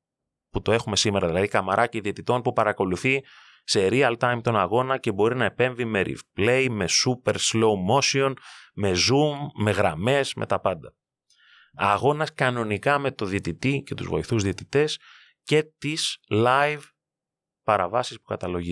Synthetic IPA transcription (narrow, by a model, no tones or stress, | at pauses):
put̪o̞e̞xume̞sime̞ɾɐðilɐðikɐmɐɾʔɐciðie̞t̪it̪o̞npupɐɾɐko̞luθi | se̞ɾiɐlt̪ɐjmt̪o̞nɐɣo̞nɐce̞bo̞ɾinɐe̞pe̞ɱvime̞ɾḭvple̞jme̞supe̞ɾslo̞mo̞sio̞nme̞zumːe̞ɣɾɐme̞zmʔe̞̰t̪ɐpɐnd̪ɐ | ɐ̰ɣo̞nɐskɐno̞nikɐme̞t̪o̞ðiet̪it̪ice̞t̪ṵzvo̞̰iθuzðio̞t̪it̪e̞s | ce̞t̪islɐjv | pɐɾɐvɐsispu̥kɐt̪ɐlo̞ʝi